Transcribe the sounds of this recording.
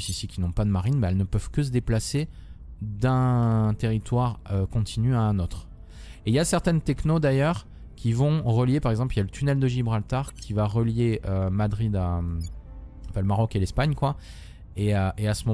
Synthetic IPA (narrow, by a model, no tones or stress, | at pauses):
sisikʲinɔ̃pad̪əmaʁinbɛɛlnəpœv̥kəs̬əd̪eplase | d̪ɛ̃t̪eʁit̪waʁøkɔ̃t̪ʰinyaɛ̃not̪χ | eiljasɛʁt̪ɛnt̪ɛknod̪ajœʁ | kʲʰivɔ̃ʁəljepaʁɛɡzɑ̃plijalət̪ynɛld̪əʒibʁalt̪aʁkʲʰivaʁəljeømad̪ʁid̪am | ɑ̃fɛ̃ləmaʁɔkelɛspaɲkwa | eøʔeasəmɔ